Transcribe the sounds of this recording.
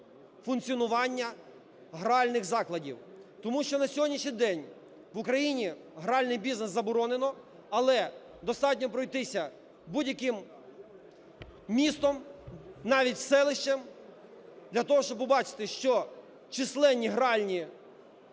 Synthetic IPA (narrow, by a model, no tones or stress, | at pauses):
fʊnt̪t͡sʲiɔnʊʋɑnʲːɐ | ɦɾɑlʲnɪxzɑklˠɐdʲḭw | t̪ɔmuʃt͡ʃɔnɐsʲɔɦɔdʲnʲiʃɲʲijd̪ɛnʲ | ʋʊkɾɐjinʲi | ɦɾɑlʲnɪjbʲiznesːɐbɔɾɔnenɔ | ɐlˠɛ | d̪ɔst̪ɑtʲnʲɔpɾɔjt̪ɪsʲɐ | budʲjɐkɪm | mʲist̪ɔmnɑʋʲitʲwsɛlˠɪʃt͡ʃɐm | d̪lʲɐt̪ɔɦɔʃt͡ʃɔbpɔbɑt͡ʃɪ̥t̪ɪʃt͡ʃɔ | t͡ʃɪslˠɛnʲːiɦɾɑlʲnʲi